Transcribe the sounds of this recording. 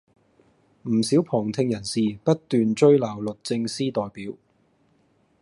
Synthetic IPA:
m̩˨˩siː˨˥wpʰɔː˨˩ŋt̪ʰɪ˧ŋjɐ˨˩nsiː˨pɐ˥t̚t̪yː˨nt͡ʃɵ˥ɥlaː˨˩wlɵ˨t̚t͡sɪ˧ŋsiː˥t̪ɔː˨jpiː˨˥w

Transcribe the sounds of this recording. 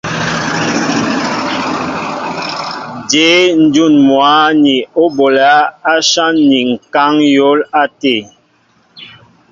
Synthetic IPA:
d͡ʒe˨˦n̩˦d͡ʒu˦˨nmwa˨˦ni˨o˦bo˨la˦a˦ʃa˦nːi˨ŋ̩˨ka˦ŋjo˦la˦te˦˨

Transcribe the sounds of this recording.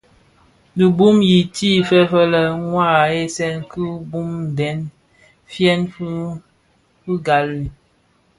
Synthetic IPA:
du˨bu˦mji˨tʰi˦˨fɛ˦fə˦lə˨ŋwa˦˨e˦sɛ˦nkɨ˦bu˦mbɛ˨˦n | fjɛ˦n˦ | fu˦ɡa˨li˨

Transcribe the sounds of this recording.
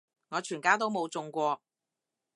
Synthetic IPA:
ŋɔː˨˧t͡ʃʰyː˨˩nkaː˥t̪o˥wmo˨˧wt͡sʊ˧ŋkʷɔː˧

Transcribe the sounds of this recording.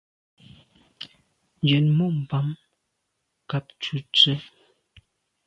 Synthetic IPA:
nd͡ʒɛ˨nmɔ˦˨ʔm̩˨pa˨m | ka˨p̚t͡ʃu˨t͡sə˦

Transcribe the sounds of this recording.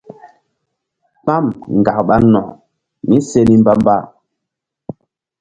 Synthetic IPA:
k͡pa˦˨mŋ˨ɡa˨k̚ɓa˦nɔ̰˨ | mi˦se˦ni˦mba˦mba˦

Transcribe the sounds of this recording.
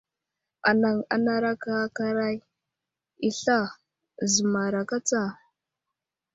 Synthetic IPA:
a˨na˨ŋa̰˨na˦ɾa˦ka˦ka˦ɾa˦j | i˨ɬa˦˨ | zə˨ma˨ɾa˨ka˦t͡sa˦˨

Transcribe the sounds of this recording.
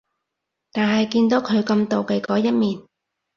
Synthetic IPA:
t̪aː˨nɦɐ˨jkiː˧nt̪o˨˥kʰɵ˨˧ɥkɐ˧mt̪o˨wke˧kɔː˨˥jɐ˥t̚miː˨n

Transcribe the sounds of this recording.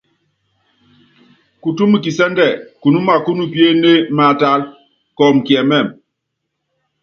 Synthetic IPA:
ku˨tu˦mi˨ki˨sɛ˦ndɛ˨ku˨nu˦ma˨ku˦nu˦pi˦e˦ne˦ma˨ta˨˦l | kɔ˨m˨ki˨ɛ˨mɛ˦˨m

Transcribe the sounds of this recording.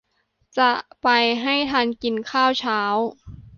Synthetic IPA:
t͡ɕa˨˩ʔpa˧jɦa˥˩jt̪ʰaː˧nki˧nkʰaː˥˩wt͡ɕʰaː˦˥w

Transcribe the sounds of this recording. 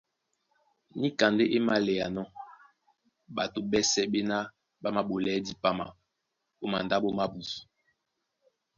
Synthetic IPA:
ni˦ka˨nde˦ʔe˦ma˦lɛ˨a˨nɔ˦ | ɓa˨to˨ɓɛ˦sɛ˦ɓe˦na˦ | ɓa˦ma˦ɓo˨lɛ˦di˦pa˦ma˨ | o˦ma˨nda˦ɓo˦ma˦bu˨su˨

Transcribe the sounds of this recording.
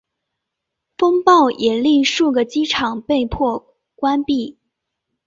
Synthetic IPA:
fɤ˥ŋpɑ˥˩ʊʔɛ˨˩li˥˧ʂu˥˩ɡə˩t͡ɕi˥ʈ͡ʂʰɑ˨˩ŋpe˥˧ɪpʰwɔ˥˩ | kwa˥npi˥˩

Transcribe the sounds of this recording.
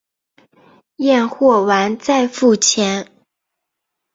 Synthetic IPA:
jɛ˥˧nxwɔ˥˩wa˧˥nt͡sa˥˧ɪfu˥˩t͡ɕʰjɛ˧˥n

